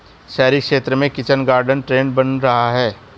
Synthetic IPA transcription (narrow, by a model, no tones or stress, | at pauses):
ʃɛːɾikʃeːt̪ɾəmẽkɪt͡ʃənɡaːɾɖənʈɾeːnbɐnɾɐɦaɦɛː